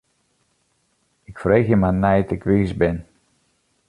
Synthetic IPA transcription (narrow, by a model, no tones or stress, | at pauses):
ɪkfreːxjəmanɛjtɪkʋiːsbɪn